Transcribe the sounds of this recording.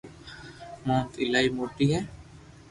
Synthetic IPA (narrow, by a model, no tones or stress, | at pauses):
mɔ̃ːt̪ɪlaimoʈiɦɛ